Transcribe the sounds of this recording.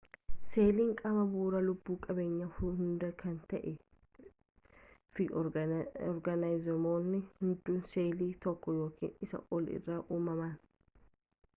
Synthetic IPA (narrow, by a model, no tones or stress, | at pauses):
se̞ːliːŋkʼɐmɐbuːɾɐlʊbːuːkʼɐbeːɲːɐhʊhʊnd̪ɐkʰɐnt̪ɐʔɛ | fɪ | ɔɾɡɐnɐjzɪmoːnːɪhɪnd̪ːuːnseːliːt̪ɔkːɔjo̞ːkḭːnɪsɐ̰ʔɔlɪ̰rːaːʔuːmɐmaːn